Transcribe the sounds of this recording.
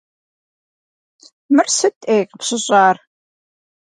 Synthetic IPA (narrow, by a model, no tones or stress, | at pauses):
mɨrsɨtʼejqəpsɕɪɕʼaːr